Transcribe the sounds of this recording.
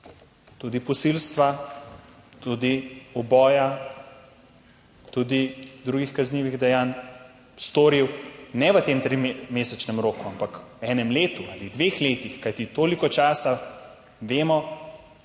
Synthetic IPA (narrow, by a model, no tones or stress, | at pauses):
t̪ud̪ipɔsilst̪ʋa | t̪ud̪iɔbɔːja | t̪ud̪id̪ɾuːɡixkazniːʋiɣd̪ɛjaːn | st̪oːɾiwnɛʋət̪eːmt̪ɾimmeːsɛt͡ʃnɛmɾoːkuampakwɛːnɛmleːt̪uaːlid̪ʋexleːt̪ixkajt̪it̪oːlikɔt͡ʃaːsa | ʋeːmɔ